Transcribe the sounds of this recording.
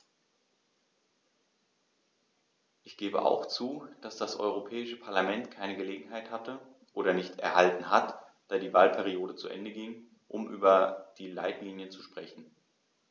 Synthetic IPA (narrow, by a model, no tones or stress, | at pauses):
ʔɪçɡ̥eːbə̰ʔa̰ʊxt͡suːd̥asd̥asʔɔ̰ʏʁ̞opʰɛːɪʃəpʰaɐlamɛntkʰaɪnəɡəleːɡŋ̩ɦaɪthatə | ʔoːɾɐnɪçtɛ̰ɐhaltn̩ɦatd̥aːdiːvaːlpʰɛʁioːdət͡suʔɛ̰ndəɡɪŋ | ʔʊmʔy̰ːbɐd̥iːla̰ɪtliːnjət͡su̥ʃpʁ̥ɛçn̩